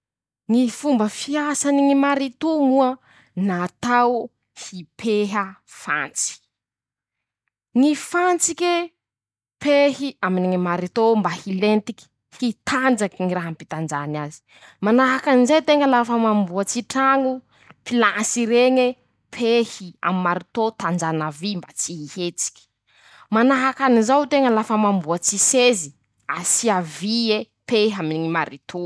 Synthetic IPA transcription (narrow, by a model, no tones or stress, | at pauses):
ŋifumbəfiasaniŋimaɾit̪omuə | naːt̪aw | hipʰeɦəfa̰nt͡si̥ | ŋifant͡sike | pʰehiaminiŋimaɾit̪ombahilent̪iki̥ | hit̪and͡zakiŋiraɦampit̪and͡ʒanazi̥ | manaɦakanizet̪eŋəlafəmambuat͡siʈ͡ʂaŋu | pilasiɾeɲe | pʰehia̰mimaɾit̪ot̪and͡ʒanavimbat͡siɦihet͡si̥kʲi̥ | manaɦakanizawt̪eŋəlafəmambuat͡sisezi | asiavie | peɦaminiŋimaɾit̪ʰo